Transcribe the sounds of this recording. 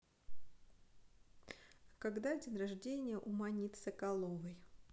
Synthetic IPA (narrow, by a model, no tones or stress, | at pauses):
kɐɡd̪adʲɪnrɐʐdʲenʲɪjəʔʊmɐnʲit̪səkɐlˠovəj